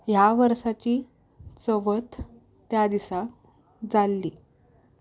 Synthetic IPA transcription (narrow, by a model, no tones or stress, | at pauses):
jaʋəɾsat͡ɕiː | t͡səʋət̪ | t̪jad̪isa | d͡zalːiː